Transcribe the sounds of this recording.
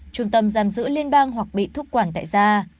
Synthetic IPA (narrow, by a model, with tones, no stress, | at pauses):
t͡ɕʊ˨˧˩ŋ͡mt̪ə˧˩mzaː˨˩mzɨ̰˧˥li˧ənɓaː˧ŋɦwa˨˩k̚ɓḭ˧˨t̪ʰʊ˦˥k̚kwaː˧˩nt̪a̰ː˧˨jzaː˧